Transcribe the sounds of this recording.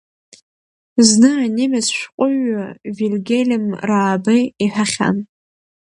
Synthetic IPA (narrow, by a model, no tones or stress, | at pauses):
znɨanemʲazʃʷqʷʼʊɥavilʲɡʲelʲɪmraːbɨiħaχʲa̰n